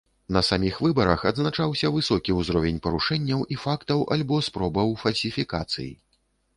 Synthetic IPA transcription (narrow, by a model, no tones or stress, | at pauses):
nɐsamʲixvɨbɐɾɐxɐd̪znat͡ʂawsʲɐvɨsɔkʲiuzɾɔvʲenʲpɐɾuʂɛnʲːɐwʔifakt̪ɐwʔa̰lʲbɔspɾɔbɐwfɐlʲsʲifʲikat̪sɨ̰jḭ